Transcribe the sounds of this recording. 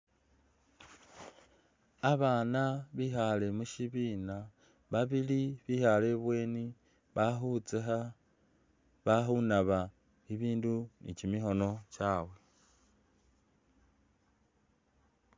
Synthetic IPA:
aβaːnaβihale̞muʃiβiːna | βaβiliβihale̞βwe̞ːni | βaxut͡sexa | βaxunaβa | iβiːndunḭcimiɦo̞no̞caːwe̞

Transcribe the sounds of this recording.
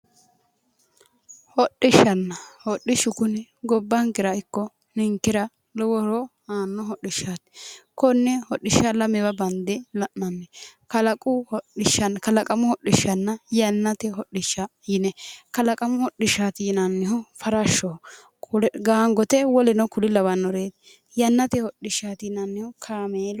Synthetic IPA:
hɔɗːɪʃːɐnːɐhɔɗɪʃʊkʊnɛɡɔbːɐŋkɪɾɐɪkːɔ | nɪŋkːɪɾɐ | lɔwɔɾɔhaːnːɔɦɔɗːɪʃːaːt̪ɪ̥kɔnːɛhɔɗːɪʃːɐlɐmɛbɐbɐnd̪ɛlɐʔnɐnːɛkɐlɐkʼʊhɔɗɪʃɐnkɐlɐkʼɐmʊhɔɗɪʃːɐnːɐjɐnːɐt̪ɛɦɔɗɪʃːɐjɪnɛkɐlɐkʼɐmʊhɔɗɪʃat̪iːnɐnːɪhɔfɐɾɐʃːɔ | kɡaːŋɡɔt̪ɛwɔlɪnɔkʊlɪlɐwɐnːɔɾeːd̪ | jɐnːɐt̪ɛhɔɗːɪʃːaːt̪iːnɐnːɪhɔkʰaːmeːl

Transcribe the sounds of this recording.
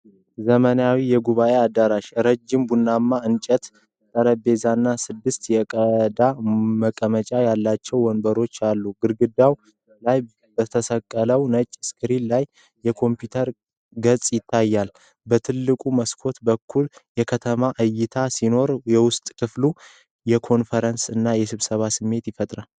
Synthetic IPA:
zəmənjawijɛɡuβaʔe̞ad̪ːaɾaʃɾəd͡ʒimbunːamːaɨnt͡ʃʼət̪ | t̪ʼəɾəbe̞zanːasɨd̪ːɨst̪jɛkʼəd̪aməkʼəmət͡ʃʼajalːat͡ʃːɛwɔnbəɾo̞t͡ʃːalːuɡɨɾɡɨd̪aw | laj | bət̪ʰəsəkʼːələwnət͡ʃʼːskʰɨɾillajː | ɛkʰo̞mpjut̪ʰəɾ | ɡət͡sʼjɪt̪ʰːajːal | bət̪ʰɨlːɨkʼuməskʰo̞t̪bəkʰːuljɛkʰət̪ʰəmaʔɨjːɪt̪ʰasino̞ɾjɛwʊst̪ʼkʰɨflu | jɛkʰo̞nfəɾənsɨnːajɛsɨβsəβasɨmːe̞t̪jɪfət̪ʼɾal

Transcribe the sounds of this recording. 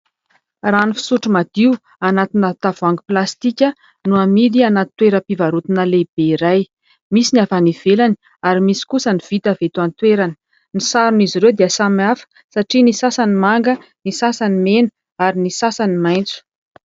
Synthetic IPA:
raːnifi̥suʈ͡ʂumad̪̥iu | anat̪inat̪avuaŋɡiplast̪ikʲə | nuamid̪ianat̪ːweɾəpivaɾut̪inəleb̥eiɾaj | misinavaniv̥elani | aɾimisi̥kusəniv̥it̪avet̪uant̪weɾani̥ | nisaɾuniziɾewd̪eəsamiafə̥ | saʈ͡ʂinisasanimaŋɡənisasanimenə̥ | aɾinisasanimajnt͡su̥

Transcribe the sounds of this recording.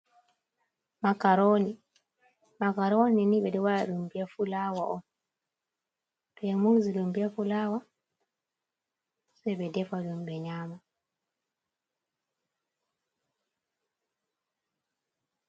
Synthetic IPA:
makaɾoːni | makaɾoninibɛdɛwaalumbijafulaːwaʔɔn | pɛmuzilumbijafulawa | sɛbɛdɛfalumbɛɲaːma

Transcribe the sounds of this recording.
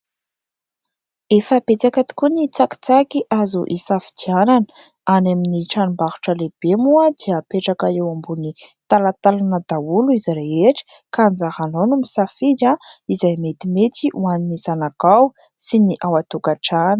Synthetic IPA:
efapet͡sakat̪i̥kunit͡saki̥t͡sakiʔazṵʔisafi̥d̪iananə̥ | anaminiʈ͡ʂanumbaxu̥ʈ͡ʂəleb̥emuəd̪iəpeʈ͡ʂakaewambunit̪alat̪alanəd̪auluizireeʈ͡ʂə̥ | kand͡zahanonumisafid͡ʒaizajmet̪imet̪iʔuaninizanakaw | siniʔawat̪ukaʈ͡ʂanə̥

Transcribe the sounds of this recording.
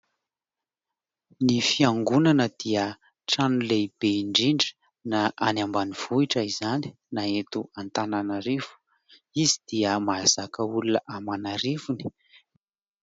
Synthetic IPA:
nifiaŋɡunanəd̪̥iə | ʈ͡ʂanuleib̥eiɳɖ͡ʐiɳɖ͡ʐə̥ | naʔanambaniv̥uiʈ͡ʂaizani̥ | naet̪uant̪ananaɾev̥u̥ | izid̪̥iəmaaz̥akəulunəʔamanaɾivuni̥

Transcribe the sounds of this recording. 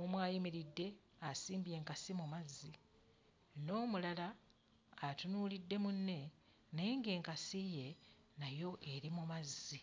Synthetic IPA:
omwaːjimiɾidːe̞ | asiːmbje̞ːŋkasimumazːi | no̞ːmulalaː | tunuːlidːe̞munːe̞ | neeŋɡe̞ːŋkasije̞ | najo̞ʔe̞ɾimumazːi

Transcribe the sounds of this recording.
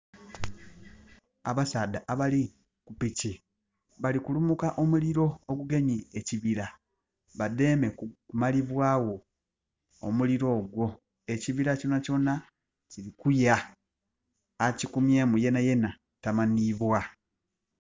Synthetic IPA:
aβasaːdaʔaβali | kupici | βalikulumukaʔo̞muliɾo̞ːɡuɡe̞ɲieciβiɾa | βade̞ːme̞kkumaliβwaːwo̞̰ː | muliɾo̞ːɡwo̞ | e̞ciβiɾaconaco̞na | ciɾikuja | cikumje̞ːmuje̞naje̞na | tamaniβwa

